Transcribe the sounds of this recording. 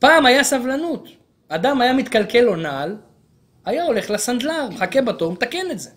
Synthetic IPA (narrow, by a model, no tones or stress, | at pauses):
paːmajasavlanut̪ | ad̪amajamit̪kalke̞lo̞nal | ajao̞le̞χlasand̪laʁmeχakebat̪oʁmet̪ake̞netze